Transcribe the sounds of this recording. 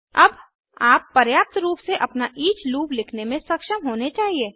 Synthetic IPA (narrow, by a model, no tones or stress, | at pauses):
ɐb | aːpːɐɾjaːp̚t̪ɾuːpseʔɐpnaʔiːt͡ʃluːplɪkʰnemẽsɐkʃəmɦoːnet͡ʃaːɦieː